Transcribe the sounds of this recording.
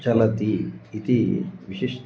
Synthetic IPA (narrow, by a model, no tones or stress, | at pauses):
t͡ɕalat̪iːt̪iʋiɕeʂ